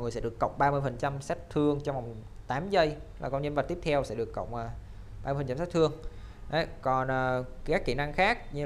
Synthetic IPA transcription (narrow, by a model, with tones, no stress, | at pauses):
ŋɨ˨˩sɛ̰˧˥ɗɨ˨˩ə˩kːə̰˧˨wŋ͡mɓaː˧mɨ˧əjfə˨˩nt͡ɕa˧msa˦˥t̚t̪ʰɨ˧əŋt͡ɕɔ˧wŋ͡mva˨˩wŋ͡m | t̪aː˨˦mzə˧j | laː˨˩kɔ˧nɲə˧nvə˨˩t̪i˦˥ət̪ʰɛ˧wsɛ̰˧˥ɗɨ˨˩əkːə̰˧˨wŋ͡mʔəː˨˩ | ɓaː˧əfə˨˩t͡ɕa˧msɛ˦˥t̪̚ʰɨ˧əŋ | ʔə˨˦kɔ˨˩nʔəː˨˩aː˦˥kːi˧˩na˧ŋxaː˦˥k̚ɲɨ˧